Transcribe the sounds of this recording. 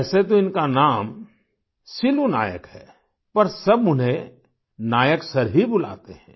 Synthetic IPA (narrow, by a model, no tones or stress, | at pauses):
set̪oɪnkanaːm | sɪluna̰ːjə̰kɦɛː | pɐɾsɐbmʊnɦẽ | naːjəksɐɾɦibʊla̰ːt̪eɦɛ̃